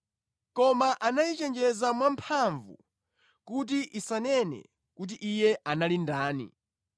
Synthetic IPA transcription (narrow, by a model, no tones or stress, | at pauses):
kɔmaʔanajit͡ʃɛnd͡ʒɛzamwampʰaɱvṵ | kut̬iʔisanɛnɛ̰ | kut̬iʔijɛʔanalindaːnḭ